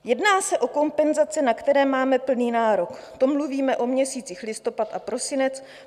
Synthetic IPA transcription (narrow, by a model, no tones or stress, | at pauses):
jɛdnaːsɛʔo̞ko̞mpɛnzat͡sɪnakt̪ɛɾɛːmaːmɛpl̩niːnaːɾo̞k | t̪omluviːmɛʔo̞mɲɛsiːt͡sixlɪst̪o̞pat̪ʔapɾo̞sɪnɛt͡s